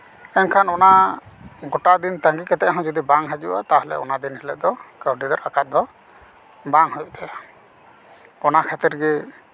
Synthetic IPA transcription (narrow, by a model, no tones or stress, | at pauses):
ɛɲkʰanɔna | ɡɔʈad̪int̪aŋɡikɛt̪ɛʔɦɔ̃d͡ʒɔd̪ibaŋɦad͡ʒua̰t̪aɦɛlɛ̰ɔ̰nad̪inhɛlɛʔ̪̚d̪ɔkawʈid̪ɔɾakat̪̚d̪ɔ | baŋhujuʔt̪aa | ɔnakʰat̪iɾɡɛ